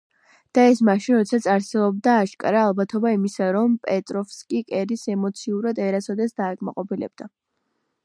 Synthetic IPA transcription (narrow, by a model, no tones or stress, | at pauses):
d̪̥aɛsmaʃinɾɔt̪sʰat̪sʼaɾsɛbɔb̚d̪aːʃkʼa̰ɾaːlˠbat̪ʰɔbaimisaɾɔmpʼɛt̪ʼɾɔfskʼikʼɛɾisɛmɔt̪sʰiuɾad̪ɛɾasɔd̪ɛsd̪aːkʼma̰qʼɔpʰilɛ̰b̥̚d̪̥a